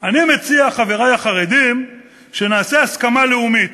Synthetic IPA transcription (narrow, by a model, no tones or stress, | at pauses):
animet͡siaχaveʁajaχaʁed̪im | ʃe̞naːseaskamaleumit̪